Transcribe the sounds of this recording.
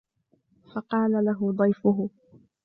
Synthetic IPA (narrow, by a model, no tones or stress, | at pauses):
fɑqɑːlalaɦʊd̪ˤɑjfʊɦʊ